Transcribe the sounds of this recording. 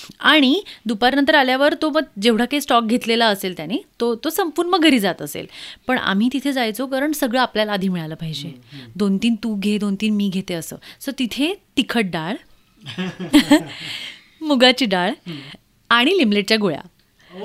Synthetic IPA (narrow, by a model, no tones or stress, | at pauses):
aɽ̃id̪upaɾnənt̪̬əɾaljaʋəɾt̪oməɡ̚d͡ʑeʋɽ̤akaisʈɔk̚ɡʱet̪lelaəselt̪janit̪ot̪osəmpuɾməɡʱəɾiːd͡zat̪əsḛlpəɳa̰m̤iːt̪it̪ʰed͡zajt͡sokəɾəɳsəɡɭəapljalad̪ʱiːmiɭajləpaɦid͡ʑed̪ont̪iːnt̪uːɡʱed̪ont̪iːnmiːɡʱet̪eəsə̰ːsət̪it̪ʰet̪ikʰəʈ̚ɖaɭ | muɡat͡ɕiːɖaɭ | aɽ̃ilimbleʈ̚t͡ɕjaɡoɭa̰